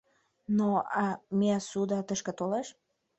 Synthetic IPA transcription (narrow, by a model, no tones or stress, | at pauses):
noɑmeɑsud̪ɑt̪əʃkə̆t̪oleʃ